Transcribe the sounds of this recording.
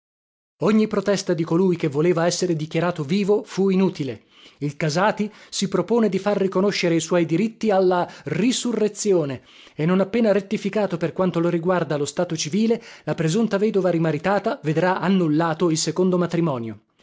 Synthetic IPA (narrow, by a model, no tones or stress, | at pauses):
oɲːipɾot̪ɛst̪ad̪ikolujk̟evːoleːvaɛsːeɾed̪ikjaɾaːt̪oviːvofuinuːt̪ile | ilkazaːt̪isipɾopoːned̪ifarːikonoʃːeɾeiswɔjd̪iɾit̪ːialːarisurːet̪sːjoːne | enːonapːeːnaɾet̪ːifikaːt̪operkwant̪oloɾiɡward̪alost̪aːt̪ot͡ʃiviːlelapɾezunt̪avɛːd̪ovaɾimaɾit̪aːt̪aved̪ɾaʔanːulːaːt̪oilsekond̪omat̪ɾimɔːnjo